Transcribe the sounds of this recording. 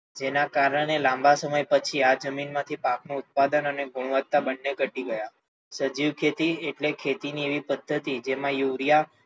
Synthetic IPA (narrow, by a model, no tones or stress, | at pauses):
d͡ʒenakaɾəɽ̃elãmbasəməjpət͡ʃʰiad͡ʒəminmãt̪ʰipaknũʊt̪̚pad̪ənəneɡuɽ̃ʋət̪ːabənːekəʈiɡəja | səd͡ʒiʋkʰet̪ieʈlekʰet̪inieʋipəd̪ʱːət̪id͡ʒemãjuʋɾija